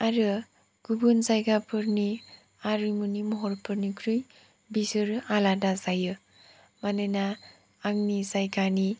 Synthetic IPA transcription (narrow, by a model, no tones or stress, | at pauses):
aɾɯ | ɡ̥ubɯnzajɡapʰɯɾni | aɾɯmunimɔɦɔɾpʰɯɾnikʰɾɯj | bizɯɾɯaladazajɯ | manɯnaː | ŋnizajɡani